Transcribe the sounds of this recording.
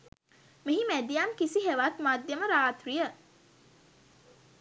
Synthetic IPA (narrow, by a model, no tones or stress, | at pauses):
miɦimæd̪ijamkisiɦeʋat̪maːd̪jəməɾaːt̪ɾijə